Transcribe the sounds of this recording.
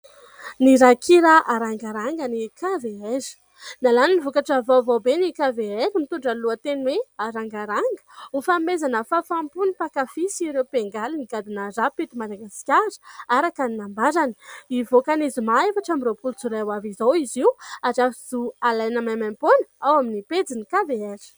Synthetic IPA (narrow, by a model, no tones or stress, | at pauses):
niɾakʰiɾaʔaɾaŋɡaɾaŋɡənikaveeɾi̥ | nalaninivokaʈ͡ʂəvovobenikaveeɾimit̪uɳɖ͡ʐaluat̪enweaɾaŋɡaɾaŋɡə̥ufamezanəfafampunipakafisiɾewpeŋɡaliniɡad̪inərapet̪umad̪aɡasi̥kʲaɾə̥aɾakaninambaɾani̥ivokanizimaefaʈ͡ʂamiropult͡suɾawavizowiziwazafiz̥ualajnamamamponawaminiped͡zinikaveeɾi̥